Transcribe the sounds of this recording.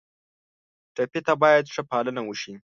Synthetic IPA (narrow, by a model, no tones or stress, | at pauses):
ʈapet̪abɑjad̪ʂəpɑlənawəʃi